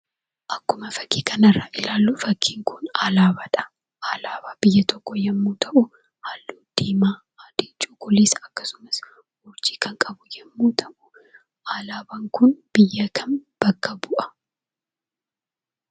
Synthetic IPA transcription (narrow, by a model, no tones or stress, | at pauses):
ʔɐkːʊmɐfɐ̥kːiːkʰɐnɐrːaːʔɪlaːlːuːfɐkʰːiːŋkʰʊnaːlaːbɐᶑɐ̥ | ʔaːlaːbaːb̥ɪjːɐt̪ʰɔkːɔjɛmːuːt̪ʰɐʔʊ | haːlːuːd̪̥iːmaː | ad̪̥eːt͡ʃʼːuːkʼʊlesɐkːɐ̥sʊ̥mɐs | hɔɾd͡ʒi̥ːkɐŋkʼɐbʊjɛmːuːt̪ʰɐʔʊ̥ | ʔaːlaːbɐŋkʊnb̥ɪjːɐkʰɐnb̥ɐkːɐbʊʔɐ̥